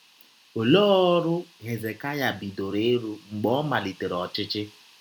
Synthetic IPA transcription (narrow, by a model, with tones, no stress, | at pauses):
o˨lo˦ɔ˦ɾʊ˦ɣe˨ze˨ka˦ja˨bi˨do˨ɾe˦ɾu˦ŋ͡m̩˨ɡ͡bɔ˦ma˨li˨te˨ɾɔ˨t͡ʃɪ˦t͡ʃɪ˦